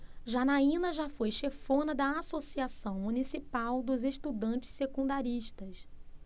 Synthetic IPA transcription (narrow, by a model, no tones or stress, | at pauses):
ʒanaĩnɐʒafojʃefõnɐd̪ɐasosiasɐ̃w̃munisipawd̪ʊzeʃt̪ud̪ɐ̃t͡ʃɪ̥sekũnd̪aɾiʃt̪ɐs